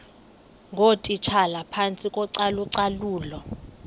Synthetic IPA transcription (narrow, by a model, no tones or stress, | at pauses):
ŋʱotʼit͡ʃʰalapʰant͡sʼikʼɔǀaluǀaluːlɔ